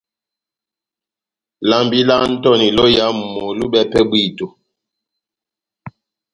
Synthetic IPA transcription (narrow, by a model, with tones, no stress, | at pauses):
la˦mbi˦la˦n̩˦tɔ˦˨ni˨lɔ˦ja˦m̩˨mo˨lu˦bɛ˦pɛ˦bwi˦˨tu˨